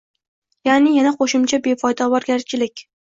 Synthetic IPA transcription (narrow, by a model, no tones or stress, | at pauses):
janɪjanaqʰoʃɪmt͡ʃʰabe̞pʰɒjd̪ɒvɒɾɡʲaɾt͡ʃʰɪlɪkʲ